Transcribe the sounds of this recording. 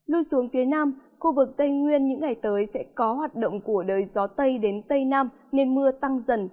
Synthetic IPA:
lɨ˧su˨˦əŋfi˨˦ənaː˧mxu˧vɨ˨˩k̚t̪ə˧jŋwi˧ənɲɨ̰˧˥ŋːa˨˩jt̪əː˨˦jsɛ̰˧˥kɔ˨˦ɦwaː˨˩t̚ɗo̰˧˨wŋ͡mku˧˩əɗəː˨˩jzɔ˨˦t̪ə˧jɗe˨˦nt̪ə˧jnaː˧m | ne˧nmɨ˧ət̪a˧ŋzə̰˧˩n

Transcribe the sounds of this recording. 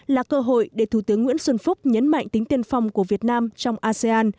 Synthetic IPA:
laː˨˩kəː˧ɦo̰˧˨jɗe˧˩t̪ʰu˧˩t̪ɨ˨˦əŋːwḭ˧˥nswə˧nfʊ˦˥k͡p̚ɲə̰˧˦nma̰˧˨jŋ̟t̪ï˨˦ŋ̟t̪i˧ənfa˧wŋ͡mku˧˩əvi˨˩ət̚naː˧mt͡ɕɔ˧wŋ͡mʔaː˧se˧aː˧n

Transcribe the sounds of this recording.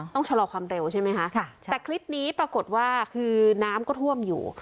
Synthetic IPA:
t̪ɔ˥˩ŋt͡ɕʰa˧lɔː˧kʰwaː˧mɾe˧wt͡ɕʰa˥˩jma˦˥jkʰa˦˥ʔʰt̪ɛː˨˩kʰɾi˦˥p̚niː˦˥pɾa˧ko˨˩t̪̚waː˥˩kʰɯː˧naː˦˥mkɔː˥˩t̪ʰu˥˩əmjṵː˨˩

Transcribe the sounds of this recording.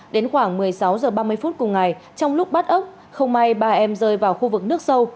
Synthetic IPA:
ɗe˨˦nxwaː˧˩ŋmɨ˨˩əjsa˨˦wzəː˨˩ɓaː˧mɨ˧əjfu˦˥t̚kʊ˨˩ŋ͡mŋa˨˩jt͡ɕɔ˧wŋ͡mlʊ˦˥k͡p̚ɓa˦˥t̚ʔə˦˥k͡p̚ | xə˧wŋ͡mma˧jɓaː˧ʔɛ˧mzəː˧jvaː˨˩wxu˧vɨ˨˩k̚nɨ˦˥ək̚sə˧w

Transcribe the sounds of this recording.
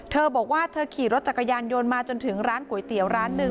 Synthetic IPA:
t̪ʰɤː˧bɔː˨˩k̚waː˥˩t̪ʰɤː˧kʰiː˨˩ɾo˦˥t̪̚t͡ɕa˨˩kːa˧jaː˧njo˧nmaː˧t͡ɕo˧nt̪ʰɯ˩˦ŋɾaː˦˥nku˩˦jt̪i˨˩˦əwɾaː˦˥nːɯ˧˩

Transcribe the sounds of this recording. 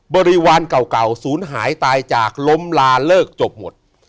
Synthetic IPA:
bɔː˧ɾi˦˥waː˧nka˨˩wka˨˩wsuː˩˦nɦaː˩˦jt̪aː˧jt͡ɕaː˨˩k̚lo˦˥mlaː˧lɤː˥˩k̚t͡ɕo˨˩p̚mo˨˩t̪̚

